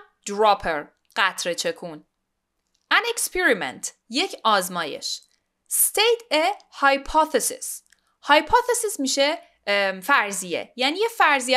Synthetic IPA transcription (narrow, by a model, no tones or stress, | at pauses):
d̪ɾɒːpʰeɾ | ɢ̥æt̪ʰɾet͡ʃʰe̞kʰun | ænekspʰeɾimḛnt̪ʰ | je̞cʰɒːzmɒːje̞̰ʃ | st̪ʰejt̪ʰehɒjpʰɒθesḭs | hɒjpʰɒθesismiːʃe | fæɾzijḛjæniːjefæɾzij